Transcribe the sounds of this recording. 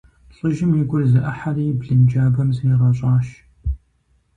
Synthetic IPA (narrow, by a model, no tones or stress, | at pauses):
ɬʼɨʒɪmjiɡʷʊrzɨʔɐħarijbɮɨnd͡ʒaːbɐmziʁɐɕʼɑːʃ